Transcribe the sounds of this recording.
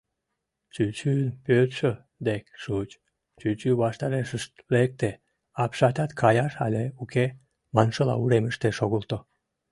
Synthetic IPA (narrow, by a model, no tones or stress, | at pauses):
t͡ɕyt͡ɕynpøt̪ʃø | d̪ekʃut͡ɕ | t͡ɕyt͡ɕyβɑʃt̪ɑɾeʃəʃt̪lek̚t̪e | ɑpʃɑt̪ʲɑt̪kʰɑjɑʃɑ̰lʲeuke | mɑnʃəlɑ̰uɾeməʃt̪eʃoɣolt̪o